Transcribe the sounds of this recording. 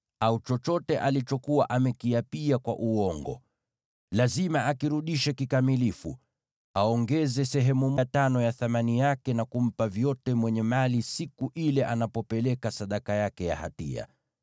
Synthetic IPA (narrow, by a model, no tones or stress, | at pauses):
aut͡ʃɔt͡ʃɔtɛʔalit͡ʃɔkuwaʔamɛkiapiakwa̰ʔuɔŋɡɔ̰ | lazimaʔakiɾuɗiʃɛkikamilifṵ | aɔŋɡɛzɛsɛɦɛmumɔtanɔjaθamanijakɛnakum̩pavjɔtɛmwɛɲɛmalisikuʔilɛʔanapɔpɛlɛkasaɗakajakɛja̰ha̰tḭa̰